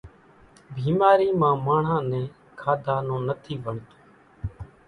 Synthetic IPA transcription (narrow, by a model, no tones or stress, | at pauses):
bʱiːmaːɾiːmãːmaːɳ̤ãːnɛ̃ː | kʰaːd̪ʱaːnõːnət̪ʰiːbəɳt̪o̥ː